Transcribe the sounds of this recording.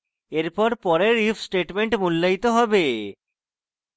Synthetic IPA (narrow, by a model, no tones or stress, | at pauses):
eɾpɔɾpɔɾeɾifsʈeʈmeɳʈmulːajt̪oɦɔbe